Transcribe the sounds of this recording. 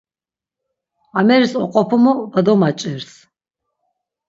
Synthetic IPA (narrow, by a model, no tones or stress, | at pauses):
amɛɾisɔqʼɔpʰɔmɔvad̪ɔmat͡ʃʼɛɾs